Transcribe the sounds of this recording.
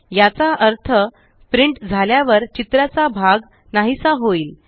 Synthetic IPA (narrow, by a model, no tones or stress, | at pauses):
jat͡saʔəɾt̪ʰə | pɾiɳʈd͡zʱaljaʋəɾt͡ɕit̪ɾat͡sabʱaɡ | naɦisaɦoiːl